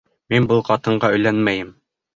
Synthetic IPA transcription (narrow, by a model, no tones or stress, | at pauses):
minbɤlˠqɑt̪ɤ̆ɴɢɑɵ̆jlænmæjɘm